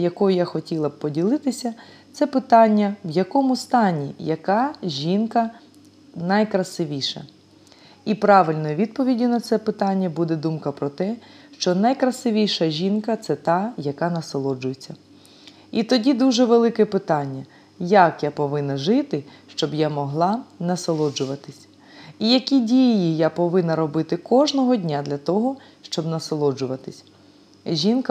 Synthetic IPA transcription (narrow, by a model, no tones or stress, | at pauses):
jɐkɔjʊjaxɔtʲilˠɐb̚pɔdʲilˠɪt̪ɪsʲɐt̪sɛpɪt̪ɑnʲːɐwjɐkɔmʊst̪ɑnʲḭjɐkɑʒʲinkɐ | nɐjkɾɐsɪʋʲijʃɐ̰ | ipɾɑʋɪlʲnɔjʊʋʲid̪̚pɔʋʲidʲinɐt̪sɛpɪt̪ɑnʲːɐbud̪ɛd̪umkɐpɾɔt̪ɛʃt͡ʃɔnɐjkɾɐsɪʋʲijʃɐʒʲinkɐt̪sɛt̪ɑjɐkɑnɐsɐlˠɔd͡ʒʊjet͡sʲːɐ | it̪ɔdʲid̪uʒɛʋelˠɪkɛpɪt̪ɑnʲːɐ | jakjapɔʋɪnɐʒɪt̪ɪʃt͡ʃɔbjamɔɦlˠɑnɐsɐlˠɔd͡ʒʊʋɐt̪ɪsʲ | ijɐkʲidʲijijapɔʋɪnɐɾɔbɪt̪ɪkɔʒnɔɦɔdʲnʲad̪lʲɐt̪ɔɦɔ | ʃt͡ʃɔbnɐsɐlˠɔd͡ʒʊʋɐt̪ɪsʲ | ʒʲinkɐ